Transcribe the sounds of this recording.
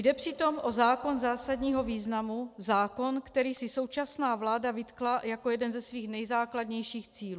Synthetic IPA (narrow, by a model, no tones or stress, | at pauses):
jdɛpr̥ɪt̪o̞mʔo̞zaːko̞nzaːsadɲiːɦo̞viːznamuzaːko̞nkt̪ɛɾiːsɪso̞wt͡ʃasnaːvlaːdavɪt̪klajakojɛdɛnzɛsviːxnɛjzaːkladɲɛjʃiːxt͡siːlu